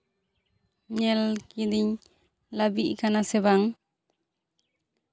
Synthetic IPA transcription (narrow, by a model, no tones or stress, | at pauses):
ɲɛlkid̪iɲ | labiʔkanasɛβaŋ